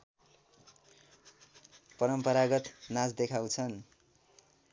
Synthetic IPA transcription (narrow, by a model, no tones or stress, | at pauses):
pʌɾʌmpʌɾaɡʌt̪nasd̪ekʰaw̃t͡sʰʌn